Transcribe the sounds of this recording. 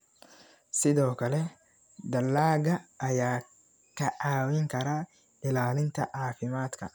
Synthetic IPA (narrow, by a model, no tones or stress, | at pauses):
sɪd̪oːkɐlɛ | d̪ɐlːaːɡɐːjaː | kɐʔaːwɪŋkɐɾaː | ʔɪlaːlɪnt̪ɐʔaːfɪmaːt̪kɐ̰